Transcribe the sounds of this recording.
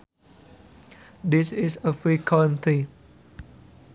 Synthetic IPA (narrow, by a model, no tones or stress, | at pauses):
dɪsɪsəfikʰãnti